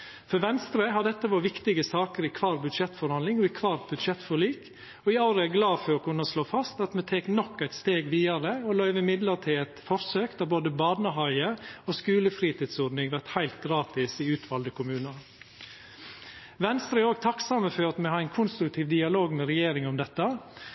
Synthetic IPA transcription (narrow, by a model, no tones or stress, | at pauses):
fɔɾʋɛnst̪ɾəɦɑɖ̪ɛt̪ːəʋɑːʋɪkt̪ɪɡəsɑːkəɾɪkʰʋɑːɾbʉd̪ʃɛt̪fɔɾhɑnlɪŋɔɪkʰʋɑːɾ̚bʉd̪ʃɛt̪ːfɔɭiːk | ɔɪɑʊɾəæɾɡlɑːfɔɾɔkʰʉnːɔsloːfɑst̪ɑt̪mɛt̪ʰeːknɔkːæɪt̪st̪eːɡʋiːɑɾəɔlœʏʋɪmɪd̪ləɾʈ̪ʰɪlæt̪fɔɾsøːkd̪ɑboːd̪əbɑːd̪nəɦɑɪəoskʉːləfɾiːt̪ɪːd̪sɔːɖnɪŋʋæʈhæɪlt̪̚ɡɾɑːt̪ɪsɪʉːt̪ʰʋɑld̪əkʰʊmʉːnɑn | ʋɛnst̪ɾəæoːɡ̚t̪ʰɑksɑməfɔɾɑt̪mɛhɑɾæɪnkʰʊnst̪ɾʉk̚t̪ʰiːʋd̪ɪɑloːɡmɛɾɛjeːɾɪŋɔmd̪ɛt̪ːə